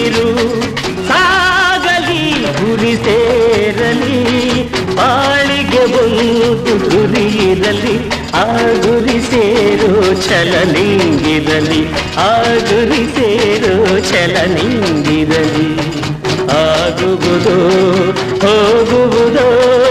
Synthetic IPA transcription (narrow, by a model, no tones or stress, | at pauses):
ɾu | saɡɐliɡuɾiseɾɐli | paːɭiɡebond̪uɡuɾijiɾɐlːi | aɡuɾiseːɾut͡ʃɛlɐniŋŋɡid̪ɐliaːɡuɾiseɾut͡ʃɛlɐniŋŋɡiɾɐli | aɡuɡud̪o | hoːɡuɡud̪o